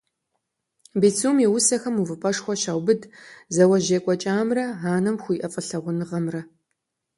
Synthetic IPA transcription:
beːt͡sʰumjɛwʊsɐxɐmuvɨpʼɐʂxʷɔɕaːwbɨdzɐwɐʑeːkʷʼɔt͡ʃʼaːmrɐɦaːnɐmxʷʊjʔɐfʼɐɬɐʁʷʊnɨʁɐmrɐ

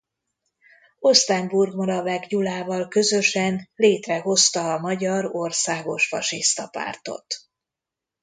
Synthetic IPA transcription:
o̞st̪ɛmburɡmɒɾɒvɛɡjulaːvɒlkø̞zø̞ʃɛnleːt̪rɛɦo̞st̪ɒːmɒɟɒɾo̞rsaːɡo̞ʃfɒ̰ʃist̪ɒpa̰ːrt̪o̞̰t̪

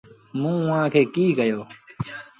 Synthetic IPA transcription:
mũːʊãːkʰeːkiːkəjoː

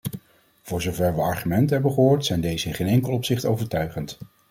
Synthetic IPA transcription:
v̥ʊːɹzowvɛɹʋəɑɹχymɛntəɦɛbəχəɦoːɹtsɛjndejzəɪnχeːnɛŋkəlˠɔpsɪχtowvəɹtœɥχənt

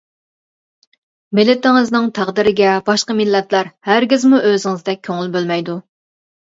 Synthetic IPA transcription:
mɪlɪt̪ɪŋɨznɨŋt̪ʰæʁd̪ɪɾɪɡʲɛbɑʃqɑmɪlːɛt̪læɾhæɾɡʲɪzmuʔøzɪŋɨzd̪ɛk̚ʲʰːøŋylbølmɛjd̪u

